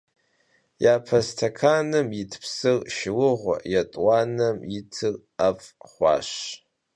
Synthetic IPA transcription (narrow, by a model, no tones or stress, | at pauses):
japʰastʰakʰanɨmjitʰpʰsɨrʃɪlɨʁʷa̰jatʼwanɨmjitʰɨr | afʼχʷa̰ʃ